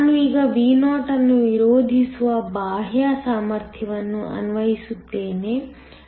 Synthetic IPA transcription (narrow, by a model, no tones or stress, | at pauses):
nuiːɡɐʋiːnaːʈɐnːuʋiɾoːd̪ʱisuʋɐbaːɦjasaːmɐɾt̪ʰjɐʋɐnːuʔɐ̰nuʋɐɦisut̪ːe̞ːne